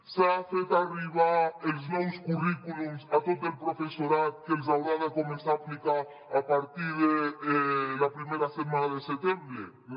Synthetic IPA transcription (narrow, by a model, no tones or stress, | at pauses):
safet̪ariβaelznɔwskurikulumsat̪ot̪elpɾofesoɾat̪̚kelzawɾaðakomesaflika | apaɾt̪iðeelapɾimeɾaset̪̚mãnaðeset̪ɛ̃mbɾe